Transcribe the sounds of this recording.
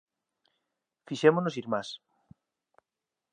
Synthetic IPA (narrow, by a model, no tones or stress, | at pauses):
fiʃemonos̬iɾmas